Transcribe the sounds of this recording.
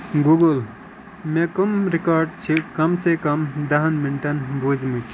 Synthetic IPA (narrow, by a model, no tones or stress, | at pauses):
ɡuɡul | mekumɾikaːɾɖt͡ʃʰikɐmsekɐmd̪ɐɦɐnminʈɐnbud͡ʒmuk̪i